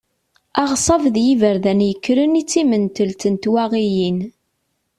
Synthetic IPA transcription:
ɑʁsˤɑvðjivəɾðænjəkːɾənit͡sːimənt̪əlt̪ənt̪wæʁijin

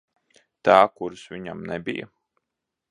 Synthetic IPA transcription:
t̪aːkuɾsʋʲiɲamnɛbḭja̰

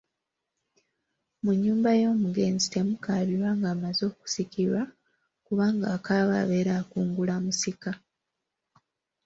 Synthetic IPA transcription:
muɲːuːmbajo̞ːmuɡe̞ːnzitemukaβiɾwaːŋɡaːmazo̞ːku̥sikiɾwa | kuβaːŋɡaːkaːβa̰ːβe̞ɾaːkuːŋɡulamusika

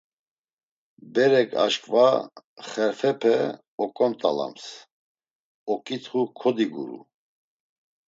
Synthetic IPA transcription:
bɛɾɛkʼa̰ʃkʼvaχɛɾfɛpʰɛ | ɔkʼɔnt̪ʼala̰ms | ɔkʼit̪ʰχukʰɔd̪iɡṵɾṵ

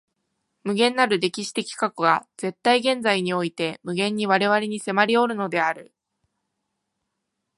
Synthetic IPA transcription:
mɯ̟ɡẽ̞nːaɾɯ̟d̪e̞kʲiɕi̥t̪e̞kʲi̥kakɯɡaz̥e̞t̪ːaiɡẽ̞nd͡zaiɲ̟io̞it̪e̞mɯ̟ɡẽ̞ɲ̟ːiβ̞aɾe̞βaɾe̞ɲ̟ise̞maɾʲio̞ɾɯ̟no̞d̪e̞aɾɯ̟

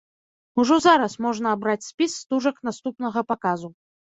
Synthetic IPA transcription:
uʐɔzaɾɐsmɔʐnɐːbɾat͡sʲsʲpʲisːt̪uʐɐknast̪upnɐɣɐpakazu

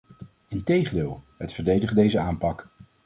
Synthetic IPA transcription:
ɪntejχəndɪːlˠɦətfəɹdejdəχdejzəaːmpɑk

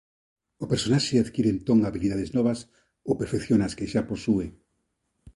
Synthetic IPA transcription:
opeɾsonaʃeaðkiɾent̪oŋaβiliðaðeznɔβas | owpeɾfekθjonaskeʃaposue

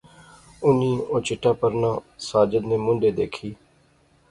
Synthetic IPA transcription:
ʊnĩːoːt͡ʃɪʈːaːpəɾnãːsaːd͡ʒəd̪neːmʊ̃ɳɖeːd̪eːkʰiː

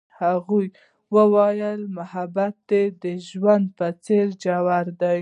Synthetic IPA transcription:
haɣuj | wəwɑjəlmahabat̪̚ːed̪əʒwand̪̚pət͡seɾd͡ʒawaɾd̪aj

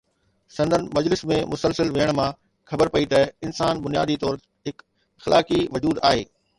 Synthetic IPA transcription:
sɐ̃nd̪ʱənɪ̆mɐd͡ʑlɪsmẽmʊsəlsəlʋeːəɽ̃mã | xɐbəɾpɐit̪ɐɪnsaːnbʊnija̰ːd̪it̪ɔːɾt̪ | ɦɪk | xɪlʔa̰ːkiʋɐd͡ʑuːd̪a̰ːɦeː

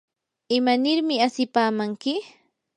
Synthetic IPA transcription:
ɪmanɪɾmɪasɪpaːmaŋkɪ

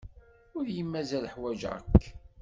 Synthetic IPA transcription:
ʊɾjəmːæzælħwæʒʕə̰kː

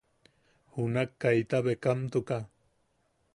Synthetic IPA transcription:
hunakːajt̪aβekamt̪ʊka

